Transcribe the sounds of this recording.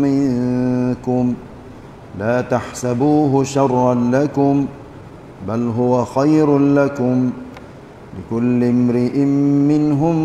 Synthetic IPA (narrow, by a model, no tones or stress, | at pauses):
mɪŋkʊm | laːt̪aħsabuːɦʊʃɑrˤːɑnlakʊm | balɦʊwaxajɾlakʊm | lɪkʊlːɪmɾɪʔɪmːɪnɦʊm